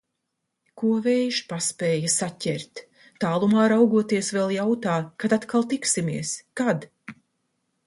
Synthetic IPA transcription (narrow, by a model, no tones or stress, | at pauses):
kuɔvɛjʃpaspeːjasacʲɛ̰ɾt̪ː | aːlˠumaːɾawɡuɔt̪iɛsvɛlˠjawt̪aːkad̪at̪kalˠt̪iksimḭɛəskad̪